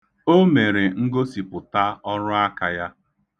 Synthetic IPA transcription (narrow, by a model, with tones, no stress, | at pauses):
o˦me˨ɾe˨ŋ̩˦ɡo˦si˨pʊ˨ta˦ɔ˦ɾʊ˦a˦ka˨ja˦